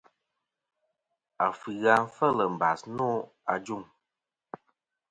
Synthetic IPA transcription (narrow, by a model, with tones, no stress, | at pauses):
a˨fɨ˨ɣa˦n̩˦fə˦˨lə˨m̩˨ba̰˨snɔ˦ | a˨d͡ʒu˦˨ŋ